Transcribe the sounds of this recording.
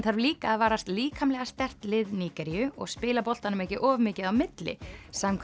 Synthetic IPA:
θaɾvliːkaːðvaːɾast̪liːkʰamlɛɣast̪ɛr̥t̪lɪðniːkɛɾijʏɔ̰ɣspɪːlapɔl̥t̪anʏmɛhcɪʔɔːvmɪːcɪðawmɪt̪lɪ̰saːmkʰ

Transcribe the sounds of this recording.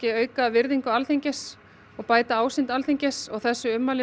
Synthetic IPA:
cɪœːɥkavɪɾðiŋkʏalθeɲcɪs | ɔɣpaːjt̪aaːwsɪnt̪alθeɲcɪsɔɣθɛsːʏʏmːalɪ

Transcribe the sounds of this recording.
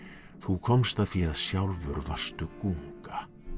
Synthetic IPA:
θukʰɔmst̪aðθfiaðsjawlvʏɾva̰r̥st̪ʏkuŋkḁ

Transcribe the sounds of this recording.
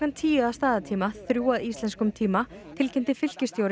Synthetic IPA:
ant̪ʰiːjaðast̪aːðat̪ʰiːmaθɾjuːaðist̪ɛnskʏmt̪ʰiːmat̪ʰɪlcʰɪnt̪ɪfɪl̥cɪst̪jowɾ

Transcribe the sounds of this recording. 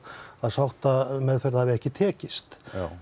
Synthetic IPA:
aðsawht̪amɛðfɛɾðhavɪɛhcɪt̪ʰɛːcɪst̪

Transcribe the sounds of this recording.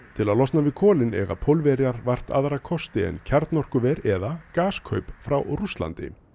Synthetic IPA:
t̪ʰɪlaðlɔst̪navɪðkʰɔːlɪnɛ̰ɣa̰pʰowlvɛɾjaɾvar̥t̪a̰ðɾakʰɔst̪ɪɛ̰ncʰaɾt̪nɔr̥kʏvɛɾɛðakaːskʰœ̰ːɥpfɾawrust̪la̰nt̪ɪ̰

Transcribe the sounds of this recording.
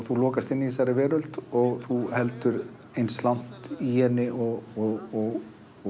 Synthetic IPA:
θulɔːkast̪ɪnːisaɾɪvɛːɾʏl̥t̪ɔɣθuhɛlt̪ʏɾ | ejnslawn̥t̪ihɛnːɪʔɔɣɔɣɔɣ

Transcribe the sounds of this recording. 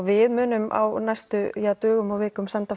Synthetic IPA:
vɪðmʏːnʏmʔa̰wnajst̪ʏjat̪œːɣʏmawvɪːkʏmsant̪a

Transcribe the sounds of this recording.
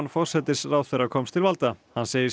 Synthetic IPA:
nfɔr̥sɛt̪ɪsrawθɛrːakʰɔmst̪ʰɪlvalt̪ahanseːjɪɾ

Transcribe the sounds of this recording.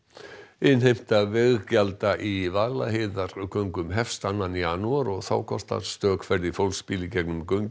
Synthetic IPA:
ɪnɦejm̥t̪avɛɣcalt̪aʔivaːɣla̰heðaɾʏkʰœɥŋkʏmɦɛfst̪anːanianːuaɾɔɣθa̰ːwkʰɔst̪a̰st̪œːkʰfɛɾðifowlspiːlɪcɛknʏmkœɥɲ

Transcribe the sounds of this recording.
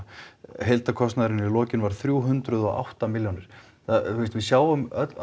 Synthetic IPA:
ɦejlt̪akʰɔst̪naðɾɪnɪlɔːcɪnvaɾ̥θɾjuːɦʏnt̪ɾʏðɔ̰a̰wht̪amɪljawnɪɾ̥ | θaθɛst̪vɪsjaːwvʏmœt

